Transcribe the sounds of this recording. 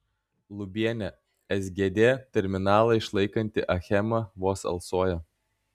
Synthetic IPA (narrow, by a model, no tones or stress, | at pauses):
lˠʊbʲiɛnʲɛ | ɛzʲɡʲeːd̪ʲeːt̪ʲɛɾʲmʲɪnɑːlˠɐɪʃlˠɐɪkɐnʲt̪ʲɪʔɐxʲɛmɐʋoːsɐ̰lˠsoːjɛ